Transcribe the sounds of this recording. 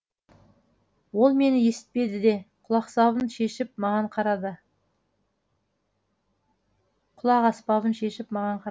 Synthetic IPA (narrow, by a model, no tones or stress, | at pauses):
wo̞lˠme̞nɪje̞sɪ̥t̪̚pe̞d̪ɪd̪e̞qʰʊlˠɑqsɑβənʃe̞ʃɪp̚mɑʁɑɴqʰɑɾɑd̪ə | qʰʊlˠɑqɑspɑβənʃe̞ʃɪpmɑʁɑɴqʰɑ